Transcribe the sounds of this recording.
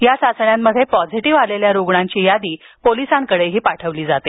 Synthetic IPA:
jasat͡sɳjamːəd̪ʱjepɔd͡ziʈiʋaleljaɾoɡɳãɲt͡ɕiːjad̪iː | polisaŋkəɽeɦiːpaʈʰəʋliːd͡zat̪e

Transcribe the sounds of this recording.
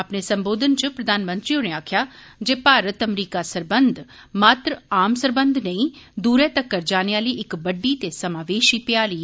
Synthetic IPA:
ɐpnesɐ̃mboːd̪ʱənt͡ʃəpɾɐd̪aːnmə̃nt̪ɾioneaːkʰjaːd͡ʒeːpaːɾət̪ɐmɾiːkasəɾbənd̪ʱ | maːt̪ɾəaːmsəɾbə̃nd̪ʱnəĩd̪uːɾeːt̪ɐkːəɾd͡ʒaːneaːliːʔɪkbɐɖːit̪esɐmaːʋeːʃipɪjaːɾiː

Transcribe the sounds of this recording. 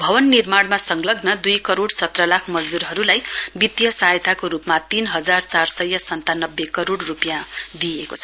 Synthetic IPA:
bʱʌbʌnːirmaɽmasʌŋɡlʌɡnʌd̪ujkʌɾoɽsʌt̪rʌlakʰmʌd͡zd̪uɾɦʌɾulajbit̪jʌsaɦjt̪ʰakoɾupmat̪inɦʌd͡zart͡sarsʌjːʌsʌnt̪anʌbːekʌɾoɽrupjãd̪iekot͡sʰʌ

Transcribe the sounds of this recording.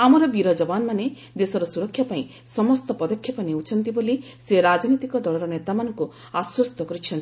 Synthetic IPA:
amɔɾɔbiɾɔd͡ʒɔbanmane | d̪esɔɾɔsuɾɔkʰːjapaĩ | sɔmɔst̪ɔpɔd̪ɔkʰjɔpɔneut͡ʃʰɔnt̪iboli | seɾad͡ʒɔnit̪ikɔd̪ɔɭɔɾɔnet̪amanɔŋku | aswɔst̪ɔkɔɾit͡ʃʰɔnt̪i

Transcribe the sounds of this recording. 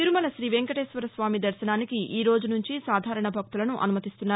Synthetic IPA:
t̪iɾumɐlɐʃɾiːʋeŋkɐʈeːʃʋɐɾɐsʋaːmid̪ɐɾʃɐnaːnikiʔiːɾo̞ːd͡ʒunuɲt͡ʃisaːd̪ʱaːɾɐɳɐbʱɐk̚t̪ulɐnuʔɐ̰numɐt̪ist̪unːaː

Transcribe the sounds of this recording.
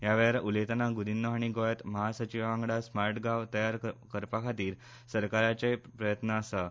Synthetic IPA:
jaʋɛɾaʔulet̪ənaɡud̪inːəɦaɳ̃iɡojət̪məɦasət͡ɕiʋãŋɡɽasmaɾʈɡaʋt̪əjaɾkəɾpakʰat̪iːɾ | səɾkaɾat͡sepɾəjət̪naːsə

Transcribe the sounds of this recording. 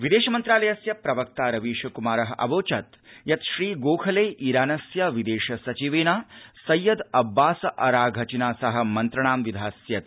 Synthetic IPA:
ʋid̪eːʃɐmɐnt̪ɾaːlɐjɐsjɐpɾɐʋɐk̚t̪aːɾɐʋiːʃɐkumaːɾɐɦɐʔɐ̰ʋoːt͡ʃɐt̪ | jɐt̪ʃɾiːɡoːkʰɐleːʔiːɾaːnɐsjɐʋid̪eːʃɐsɐt͡ʃiʋeːnaːsɐjːɐd̪ɐbːaːsɐʔɐɾaːɡʱɐt͡ʃinaːsɐɦɐ̆mɐnt̪ɾɐɳ̃aːmʋid̪ʱaːsjɐt̪

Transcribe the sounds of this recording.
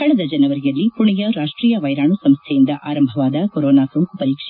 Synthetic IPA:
kɐɭɛd̪ɐd͡ʒɐnɐʋɐɾijɐlːipuɳijɐɾaːʂʈɾiːjɐʋɐjɾaːɳusɐmst̪ʰɛjind̪ɐʔaːɾɐmbʱɐʋaːd̪ɐkoɾɔːnaːsɾuŋkupɐɾiːkʂɛ

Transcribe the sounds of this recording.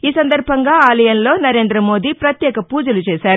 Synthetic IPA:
iːsɐnd̪ɐɾbʱɐŋɡaːaːlɐjɐnlo̞ːnɐɾe̞ːnd̪ɾɐmo̞ːd̪ipɾɐt̪jɛːkɐpuːd͡ʒɐlut͡ʃɛːsaːɾu

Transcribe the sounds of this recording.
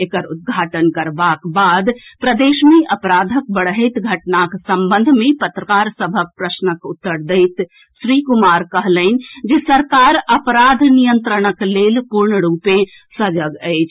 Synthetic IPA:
ekəɾut̪̚ɡʱaʈənkəɾbakbad̪pɾəd̪esmeʔəpɾad̪ʱək̚bəɽɦəɪt̪ɡʱəʈnaksəmbə̃nd̪ʱmepət̪ɾəkaɾsəbʱək̚pɾəsnəkut̪ːəɾd̪əɪt̪ | sɾikumaɾkəɦləɪn̆d͡ʒesəɾkaɾəpəɾad̪ʱnijənt̪ɾəɽ̃əklelpuɾɳəɾupe | səd͡ʒəɡəɪt͡ʃʰ

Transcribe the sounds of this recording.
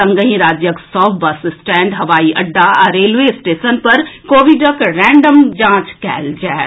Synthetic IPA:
ɐ̃ŋɡəɦĩɾaːd͡ʒjəksɔːbɐssʈɛ̃ːɳɖɦɐʋaːiʔɐɖːaɾeːlʋeːɪsʈeːʃənpɐɾkoːʋɪɖəkɾɛ̃ːɳɖəmd͡ʒãːt͡ʃkɛ̰ːld͡ʒaːe

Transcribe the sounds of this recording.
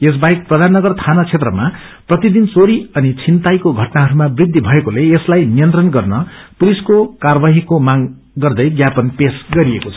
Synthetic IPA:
es̬bajk̚prʌd̪ʱanːʌɡʌrt̪ʰanʌt͡sʰet̪rʌma | prʌt̪id̪int͡soɾiʌnit͡sʰint̪ajkoɡʱʌʈnaɦʌɾumabrid̪ʱːibʱʌekoleeslajnijʌnt̪rʌnɡʌrnʌpuliskokarbaɦikomaɡ | ɡʌrd̪ʌjɡjapʌnpesɡʌɾiekot͡sʰʌ̥

